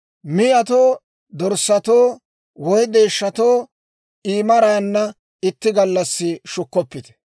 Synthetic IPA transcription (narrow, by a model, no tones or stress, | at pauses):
mɪjɐt̪oː | d̪ɔɾsːɐt̪oː | wɔjd̪eːʃːɐt̪oː | iːmɐɾaːnːɐ | ɪt̪ːɪɡɐlːɐsːɪʃʊkːɔpːɪt̪ɛ̥